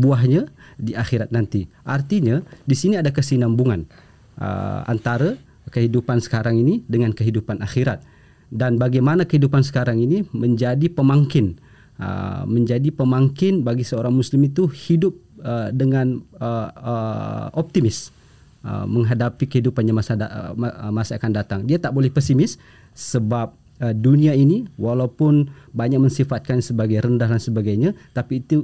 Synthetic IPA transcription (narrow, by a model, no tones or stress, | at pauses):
buaɦɲadiaxiɾat̪̚nant̪iʔart̪iɲadisiniadakəsinambuŋan | ə̰a̰nt̪aɾə | kəɦidupansə̥kaɾaŋinidəŋankəɦidupanaxiɾat̪̚ | danbaɡajmanakəɦidupansə̥kaɾaŋiniməɲd͡ʒadipəmaŋkɪn | ə̰məɲd͡ʒadipəmaŋkɪnbaɡisəoɾaŋmuslɪmit̪uhidʊp̚ədəŋanəəʔɔp̚t̪imɪs | ə̰məŋɦadapikəidupanɲamasa | masaːkandat̪aŋdiat̪aʔbolɛhpɛsimɪsː | əbap̚ | əduniainiwalawpʊnbaɲak̚mə̃nsifat̪̚kansəbaɡajɾəndahɦdansəbaɡajɲat̪apiːt̪u